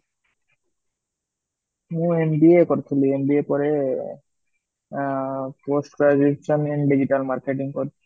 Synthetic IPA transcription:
mũembiekɔɾt̪ʰuliembiepɔɾe | posʈkɾad͡ʒiʃɔnɛɳɖid͡ʑiʈalmaɾkeʈiŋkoɾit͡ʃʰu̥

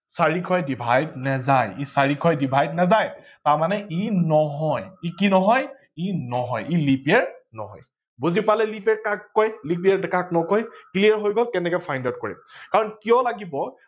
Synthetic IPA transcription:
saɹikʰɔjdibʱajdnɛzajisaɹikʰɔjdibʱajdnazaj | taɹmanɛʔinɔɦɔjikinɔɦɔj | inɔɦɔjilipiɛɹnɔɦɔ̰j | buzipalɛlipɛɹkakːɔjlipiaɹdkak̚nɔkɔjkliaɹɦojɡɔlkɛnɛkɔjpʰajndat̚kɔɹɛ̰mkaɹɔnkijɔlaɡibɔ

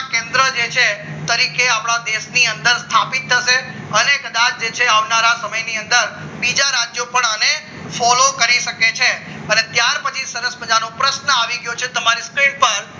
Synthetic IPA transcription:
kẽnd̪ɾəd͡ʒet͡ʃʰet̪əɾikeapɽ̃ad̪eʃniənd̪əɾst̪ʰapit̪ʰːəʃe | ənekəd̪at͡ʃd͡ʒet͡ʃʰeaʋnaɾasəməjniənd̪əɾ | bid͡ʒaɾad͡ʒjopəɳəne | fɔlokəɾiʃəket͡ʃʰe | ənet̪jaɾpət͡ʃʰisəɾəsməd͡ʒanõpɾəʃnəaʋiɡəjot͡ʃʰet̪əmaɾiskɾiɳpəɾ

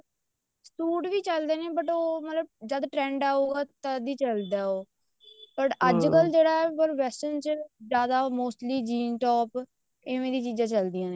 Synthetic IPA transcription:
sʈuːʈʋiːt͡ʃəld̪eːneːbəʈoːmət̪ləbd͡ʒəd̪ʈɾɛ̃ːɳɖaːoːɡaːt̪ãd̪iːt͡ʃəld̪aːoː | pəʈəd͡ʒkəld͡ʒeːɽaːɛpəɾʋɛːsənt͡ʃzjaːd̪aːmoːsʈliːd͡ʒiːnʈɔːp | ɪʋẽːd̪iːt͡ʃiːd͡ʒãːt͡ʃəld̪ijãːneː

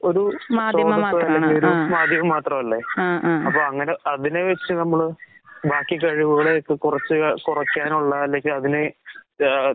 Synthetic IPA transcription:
o̞ɾumaːsoːd̪ɐːɐlːeŋɡilo̞ɾumaːd̪ʱjɐɣɐmːaːt̪rɐmɐlːeɐpːoːɐŋːɐneɐðine̞ʋɐt͡ɕːɨnɐmːɐɭbʱaːkːik̬ɐɻiʋuɣɐɭeokːɨkurɐt͡ɕːɨkurɐkːaːnuɭːɐːlːe̞ŋɡilɐðine

